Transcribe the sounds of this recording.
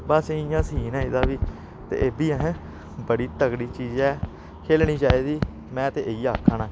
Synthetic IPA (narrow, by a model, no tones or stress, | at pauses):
baːsẽɪjãːsiːnɛ̃ːɪd̪aːʋiː | t̪ḛːʔeːbiːəɦɛ̃ː | bəɽiːt̪əɡɽiːt͡ʃiːd͡ʒɛː | kʰeːlniːt͡ʃaːiːd̪iː | mɛ̃ːt̪eːʔeiːaːkʰːaːnãː